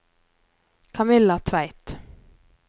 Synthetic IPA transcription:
kʰamɪlːat̪ʰvæjt̪

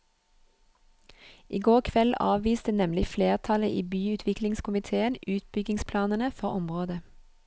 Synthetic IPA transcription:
ʔiːɡoːʁkʰʋɛlɑ̰ːʋʋiːst̪ənɛmlɪfleːʁt̪ʰɑləʔiːbyːʉːt̪ʰʋɪklɪŋskʰʊmɪt̪ʰeːənʉːt̪̚bʏɡɪŋspʰlɑːnənəfɔʁɔmʁoːd̪ə

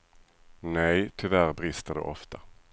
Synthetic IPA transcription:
nɛjt̪ʰʏvæɾbɾɪst̪əd̪ɛ̰ʔɔft̪a

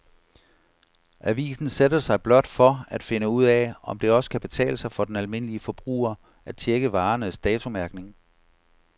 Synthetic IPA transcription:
ʔæʋḭːsn̩sed̥ɐsɑ̈ɪb̥lɒ̽d̥fɒ̽æd̥fe̝nəuð̰ˠɛɒ̽md̥e̝ɒ̽sə̥kʰæb̥e̝t͡sʰɛ̰ːləsɑ̈ɪfɒ̽d̥enælme̝n̰əliəfɒ̽b̥ʁṵːɐ | æd̥t͡ɕʰeɡ̥əʋɑ̈ːnəsd̥ɛːt͡sʰo̝mæɐɡ̥ne̝ŋ

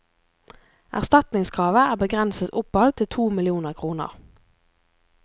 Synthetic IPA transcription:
ʔæ̰ʁst̪ɑt̪nɪŋskʰʁɑːʋəæːʁbəɡʁɛnsət̪ʊpɑlt̪ʰɪt̪ʰuːmɪlɪuːnəʁkʰʁuːnə̰ʁ

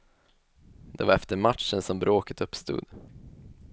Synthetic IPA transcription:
d̪̥ɛvaɾɛft̪əɾmatʂənsɔmbɾoːkət̪ɵpːst̪ṵːd̪̥

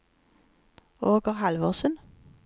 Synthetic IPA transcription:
oːɡəʁhɑlʋɔʁsən

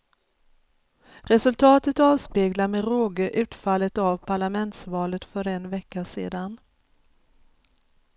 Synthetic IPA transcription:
ɾɛsɵlt̪ʰɑːt̪ət̪ɑːvspeːɡlaɾmɛɾoːɡəʔʉ̟ːt̪falːət̪avpʰaɭamɛnt̪svɑːlət̪fœɾɛnvɛkːasḛːd̪an

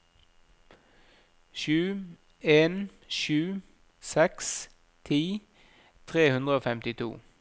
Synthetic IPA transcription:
ʃʉː | eːn | ʃʉː | sɛks | t̪ʰiː | t̪ʰʁeːhʉnd̪ʁəoːfɛmt̪ɪt̪ʰṵː

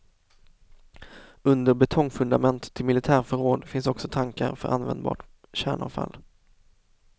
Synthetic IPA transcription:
ɵnd̪əɾbɛt̪ʰɔŋfɵnd̪amɛnt̪ʰːɪlmɪlɪt̪ʰæːɾfœɾoːd̪fɪnsɔksɔt̪ʰaŋka̰ɾfœɾʔa̰nvɛ̰nd̪bɑ̰ːʈ | ɕæːɳa̰vfa̰lː

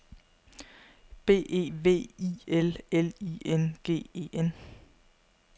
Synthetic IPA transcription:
b̥e̝̰ːʔe̝̰ːʋe̝̰ːielelḭenɡ̥e̝̰ːe̝̰ːʔen

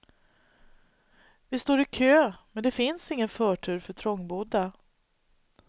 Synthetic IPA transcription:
vɪst̪oːɾɪkʰøːmɛnd̪ɛfɪnsɪŋːənfœːʈʰʉ̟ːɾfœʈʰɾɔŋːbuːd̪a

